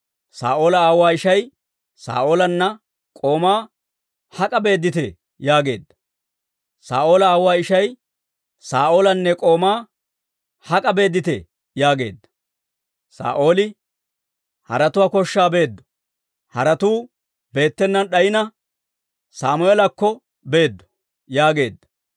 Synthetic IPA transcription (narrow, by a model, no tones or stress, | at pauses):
sa̰ːʔo̞ːlɐaːwaːɪʃɐj | sa̰ːʔo̞ːlɐnːɐ | kʼo̞ːmaː | hɐkʼɐbe̞ːd̪ːɪt̪ɛ | jaːɡe̞ːd̪ːɐ | sa̰ːʔo̞ːlɐaːwaːɪʃɐj | saːʔo̞ːlɐnːɛkʼo̞ːmaː | hɐkʼɐbe̞ːd̪ːɪt̪ɛ | jaːɡe̞ːd̪ːɐ̥ | sa̰ːʔo̞ːlɪ | hɐ̰ɾɐt̪ʊwaːkɔʃːaːbe̞ːd̪ːɔ̥ | hɐɾɐt̪uː | be̞ːt̪ːɛnːɐnɗɐjɪnɐ | saːmʊɛlɐkːɔ | be̞ːd̪ːɔ̥ | jaːɡe̞ːd̪ːɐ̥